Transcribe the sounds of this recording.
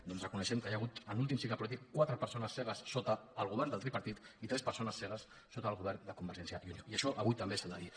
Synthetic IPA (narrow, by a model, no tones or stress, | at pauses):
d̪ɔnzrəkunəʃɛmkəjaɣ̞ut̪ənulˠt̪̬imsiklapulit̪̬ikkwat̪ɾəpəɾsonəsːɛɣ̞əsːot̪əːlˠɣuβɛrnd̪əlˠt̪ɾipɐɾt̪it̪it̪ɾɛspəɾsonəsːɛɣ̞əsːot̪əːlˠɣuβɛrnd̪əkumbəɾʒɛnsjəjunioiəʃɔʔəβujt̪əmbesald̪əði